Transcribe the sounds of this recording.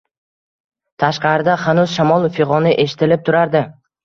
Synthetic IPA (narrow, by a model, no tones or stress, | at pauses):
t̪ʰaʃqɑɾɪd̪ahanʊz̥ʃamɒlˠfeʁɒnɪʔe̞ʃɪ̥t̪ʰɪlɪp̚t̪ʰʊɾaɾd̪ɪ